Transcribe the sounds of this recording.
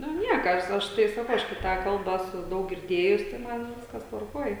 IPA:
ˈnʊ ˈnʲiɛkɐ ˈɐʃ ɐʃ tɐɪ sɐˈkɐʊ ˈɐʃ kɐɪ ˈtɑː ˈkɐlˠbɑː ˈæːsʊ ˈdɐʊk ɡʲɪrʲˈdʲeːjʊs tɐɪ ˈmɐn ˈʋʲɪskɐs tʋɐrˈkuɔj

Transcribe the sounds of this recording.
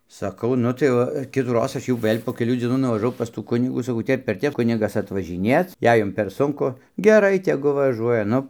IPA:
sɐˈkɐʊ ˈnʊ tɐɪ ˈʋɐ kʲɪtuːˈroːs ˈɐʃ jɛʊ ˈʋɘlʲ poː kʲɛˈlʲuː d͡zʲiɛˈnuː nʊʋɐʒɐˈʋɐʊ pɐs tuː ˈkʊnʲɪɡuː sɐˈkɐʊ ˈtʲɛp ɪr ˈtʲɛp ˈkʊnʲɪɡɐs ɐtʋɐʒʲɪˈnʲeːt͡s ˈjɛɪ ˈjʊm pʲɛr ˈsʊŋkʊ ɡʲɛˈrɐɪ tʲɛˈɡʊ ʋɐˈʒuɔjɛ ˈnʊ

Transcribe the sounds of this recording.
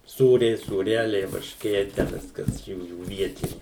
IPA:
ˈsuːrʲɛɪ suːˈrʲæːlʲɛɪ ʋɐrʲʃʲˈkʲeː tʲæː ˈʋʲɪskɐs ˈjuːjuː ˈʋʲiɛtʲɪnʲɪ

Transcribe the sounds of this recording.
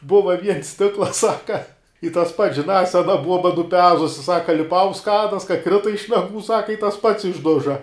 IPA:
ˈbʊʋɐ ʋʲiɛns ˈsʲtʲɪklˠɐs ˈsɑːkɐ ɪ tɐs pɐts ʒʲɪnɑː ˈsʲæːnɐ ˈbuɔbɐ nʊˈpʲæːzʊsʲɪ ˈsɑːkɐ lʲɪˈpɐʊ ʊnt ˈskɑːdɐs kɐ ˈkrʲɪtɐ ɪʃ nɐˈɡuː ˈsɑːkɐ ɪ tɐs pɐts ɪʒˈdʊʒɐ

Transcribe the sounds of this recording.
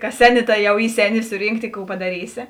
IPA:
kɐs ˈsʲæːˌnʲɪ ˈtɐ ˈjɛʊ ˈiː ˈsʲæːˌnʲɪ ˈsʊrʲiːŋkˌtʲɪ ˈkuː pɐdɐˈrʲiːsʲɪ

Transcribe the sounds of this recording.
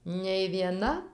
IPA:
nʲɛɪ ʋʲiɛˈnɐ

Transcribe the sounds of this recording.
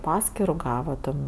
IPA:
ˈpɑːsʲkʲɪrʊ ˈɡɑːʋɐ ˈtʲɛn

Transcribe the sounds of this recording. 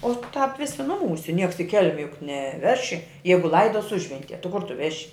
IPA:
ˈoː tɑːp ˈʋʲɪsʲɪ ˈnʊˌmuːsʲɛ ˈnʲiɛks ɪ ˈkʲɛlʲmʲɛ jʊk nʲɛˈʋʲæːʃʲɪ ˈjɛɪɡʊ ˈlˠɐɪdoːs ˈʊʒʲʋʲɛnʲtʲiɛ tʲɪ ˈkʊr ˈtʊ ˈʋʲæːʃʲɪ

